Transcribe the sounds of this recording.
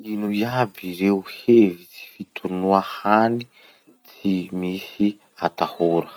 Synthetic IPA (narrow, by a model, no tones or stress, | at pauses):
inujabiɾeuhevit͡si̥fit̪ʰunuahani | t͡simisi | at̪ahuɾə